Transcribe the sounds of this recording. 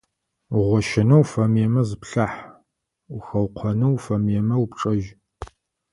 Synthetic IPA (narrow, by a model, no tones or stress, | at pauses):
ʁʷɔʃɐnɐwfɐmjɛmɐzɨpɬaħ | uxɐwqʷʰɐnɐwfɐmjɛmɐwpʈ͡ʂʼɐʒ